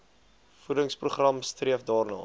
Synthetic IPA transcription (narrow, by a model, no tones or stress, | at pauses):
fudəŋspruχrɐmstriəfdɑːrnɑ̰ː